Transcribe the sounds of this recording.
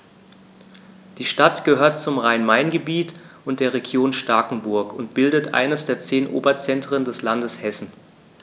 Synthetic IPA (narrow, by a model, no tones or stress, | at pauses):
d̥iːʃtatɡ̥əhøːɐt̚t͡sʊmʁaɪnmaɪnɡəbiːtʔʊntd̥eːɐʁeɡjoːnʃtaːkŋ̩bʊɐkʰʊntb̥ɪldətʔa̰ɪnəsd̥eːɐt͡seːnʔo̰ːbɐt͡sɛntʁ̥əndɛslandəshɛsn̩